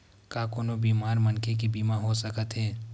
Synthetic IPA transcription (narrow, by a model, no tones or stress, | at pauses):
kaːkʊnobiːmaːɾmɐnkʰek̬ibiːmaɦosəkət̪ɦɛː